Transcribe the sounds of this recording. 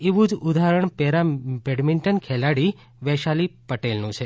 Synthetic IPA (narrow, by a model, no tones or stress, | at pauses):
eʋũd͡ʒud̪aɾəɳpɛɾabɛɽmiɳʈənkʰɛlaɽi | ʋɛʃalipəʈelnũt͡ʃʰe